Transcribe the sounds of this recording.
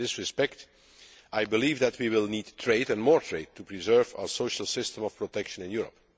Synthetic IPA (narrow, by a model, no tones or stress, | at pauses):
ɪsɹɪspɛk̚t | ajbɪliːvd̪ætwiwɪlˠniːdtʰɹeɪdɛ̃nmɔːɹtʰɹeɪd̚tʰupɹizɜ˞va̰ə˞soʊʃəl̩ˠsɪstə̃mɔfpɹotɛkʃə̃nɪ̃njuɹə̰p